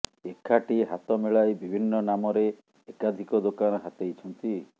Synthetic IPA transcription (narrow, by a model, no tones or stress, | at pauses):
ekʰaʈiɦat̪ɔmeɭajbibʱinːɔnamɔɾeː | kad̪ʱikɔd̪okanɔɦat̪ejt͡ʃʰɔnt̪i